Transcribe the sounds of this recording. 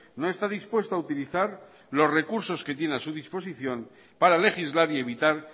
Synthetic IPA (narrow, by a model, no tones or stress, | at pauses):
no̞e̞st̪aðispwe̞st̪oaut̪iliθaɾ | lo̞zre̞kuɾso̞ske̞t̪je̞nasuðispo̞siθjo̞n | paɾale̞xizlaɾie̞β̞it̪aɾ